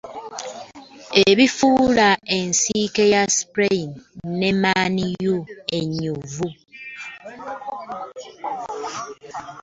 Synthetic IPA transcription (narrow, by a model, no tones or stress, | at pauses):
eβifuːlae̞nsiːke̞jaspɾeinne̞maːnijue̞ɲːuvu